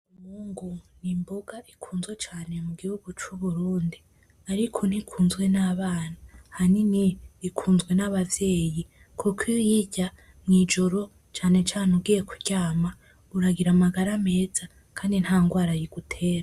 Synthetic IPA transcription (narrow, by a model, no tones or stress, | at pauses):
umuːŋɡunimboɡaʔikʰuːnzɡwet͡ʃaːnemuɡihuɡut͡ʃuβuɾuːndi | aɾikʰon̥hikʰuːnzɡwe̞naβaːnahaniniikʰuːnzɡwe̞naβavje̞ːji | kʰukʰijjiɟa | mŋiːd͡ʒo̞ɾo̞ | t͡ʃaːne̞t͡ʃaːnubɡiːje̞kuɾɟaːma | uɾaɡiɾamaɡaɾame̞ːz̥a | kʰaːndinhaːŋɡwaːɾajiɡ̥utʰe̞ːɾa